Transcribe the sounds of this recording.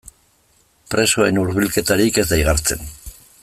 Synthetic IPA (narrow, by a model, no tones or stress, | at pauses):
pɾe̞so̞e̞nuɾβilke̞t̪aɾike̞zd̪ajɣaɾt͡se̞̰n